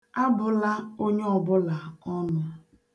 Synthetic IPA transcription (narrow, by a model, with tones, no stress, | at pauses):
a˦bʊ˨la˦o˦ɲe˦ɔ˨bʊ˦la˨kɔ˦nʊ˦